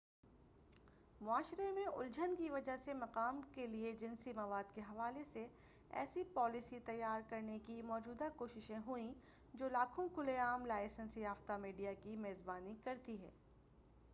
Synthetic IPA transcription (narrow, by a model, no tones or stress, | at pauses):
mʊaːʃɾemẽʔʊ̰ld͡ʒʱənkiʋɐd͡ʒaɦsemɐqaːmkelied͡ʒɪnsimɐʋaːd̪keɦɐʋaːlese | ɛ̰ːsipɔːlɪsit̪ɐjːaːɾkɐɾnekimɔːd͡ʒuːd̪akoːʃɪʃẽɦʊĩ | d͡ʒoːlaːkʰõkʊleaːmlaːɪsənsijaːft̪amiːɖijakimeːzbaːnikɐɾt̪iɦɛ̰ː